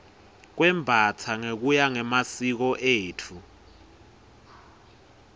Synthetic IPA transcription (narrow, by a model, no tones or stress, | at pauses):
k̬wɛmbʱatʰaŋek̬ujaŋɛmasik̬ɔʔeːtʰu